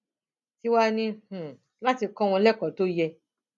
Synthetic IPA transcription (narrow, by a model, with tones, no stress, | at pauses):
ti˦wa˦nĩ˦h̩˨ | la˦ti˧kɔ̃˦w̃ɔ̃˧lɛ˦kɔ˨to˦jɛ˧